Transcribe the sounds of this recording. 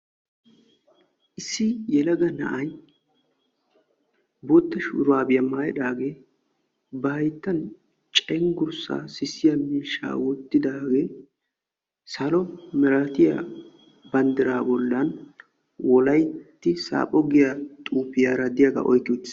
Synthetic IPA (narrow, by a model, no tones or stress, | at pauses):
ʔɪsːɪjɛlɐɡɐnɐ̰ʔɐj | boːt̪ːɐʃʊɾʊwaːbɪjɐmaːjɛᶑaːɡe̞ː | bɐhɐjt̪ːɐn | t͡ʃʼɛŋɡʊɾsa̰ːsɪsɪjamiːʃːa̰ːwɔt̪ːɪd̪aːɡe̞ː | sɐlɔmɛɾɐt̪ɪja̰ | bɐnd̪ɪɾaːbɔlːɐn | wɔlɐjt̪ːɪsa̰ːpʼɔɡɪjat̪ʼuːpːɪjaːɾɐd̪ɪjaɡɐ̰ʔɔ̰jkːɪd̪